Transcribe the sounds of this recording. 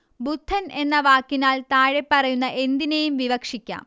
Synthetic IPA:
bud̪ʱʰːɐne̞nːɐʋaːkːinaːlt̪aːɻepːɐrɐjunːɐʔe̞nd̪inejumʋiʋɐkʂikʲːa̰ːm

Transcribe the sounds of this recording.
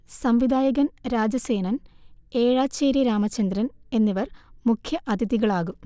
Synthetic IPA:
sɐmʋid̪ʱaːjɐɣɐnɾaːd͡ʑɐse̞ːnɐneːɻaːt͡ɕːeːɾjɐɾaːmɐt͡ɕːɐnd̪rɐne̞nːiʋɐrmukʰjɐʔɐd̪ʱiðiɣɐɭaːɣum

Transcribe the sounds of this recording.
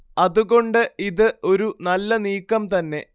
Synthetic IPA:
ɐðuɣo̞ɳɖɨiðɨo̞ɾunɐlːɐniːkːɐmt̪ɐnːe̞

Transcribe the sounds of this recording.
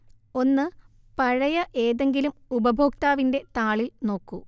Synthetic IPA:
o̞nːɨ | pɐɻɐjɐʔe̞ːðe̞ŋɡilumubɐbʱo̞ːk̚t̪aːʋinde̞t̪aːɭilno̞ːkːu

